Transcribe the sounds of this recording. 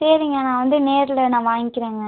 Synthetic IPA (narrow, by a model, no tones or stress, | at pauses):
seːɾiŋɡɐnãːʋɐnd̪ɯneːɾlɐnãːʋaːŋɡɪkːɪɾeːŋɡɐ